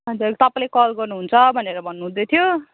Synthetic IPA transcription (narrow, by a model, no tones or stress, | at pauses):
ɦʌd͡zuɾt̪ʌpãlekʌlɡʌrnuɦunt͡sʰʌbʱʌneɾʌbʱʌnːuɦũd̪ʌt̪ʰjo